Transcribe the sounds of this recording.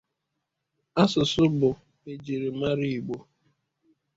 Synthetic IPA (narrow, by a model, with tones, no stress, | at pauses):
a˦sʊ˨sʊ˦bʊ˨ | e˨d͡ʒi˨ɾi˨ma˦ɾi˦i˨ɡ͡bo˦